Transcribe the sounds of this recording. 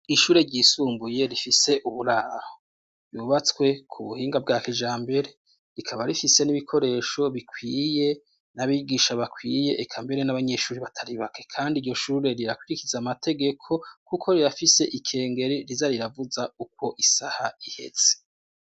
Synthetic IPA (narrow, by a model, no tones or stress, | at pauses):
iʃuːɾe̞ɾɟiːsuːmbuje̞ɾifise̞ʔuβuɾaɾo | ɾjuːβat͡swe̞kʰuβuhiːŋɡab̚ɡaːkid͡ʒaːmbe̞ɾe̞ | ɾikʰaβaɾifise̞niβikʰo̞ɾe̞ːʃo̞βikwiːje̞ | naβiɡiːʃaβakwiːje̞ʔːkʰambe̞ɾe̞naβaɲe̞ːʃuːɾiβatʰaɾiβake̞kʰaːndiɾɟo̞ʃuːɾe̞ɾiɾakwiɾikizamatʰe̞ɡe̞kʰo̞kukʰo̞ɾiɾafise̞ʔikʰe̞ːŋɡe̞ɾiɾizaɾiɾavuzauk̚wo̞ʔisahaihe̞̰z̥e̥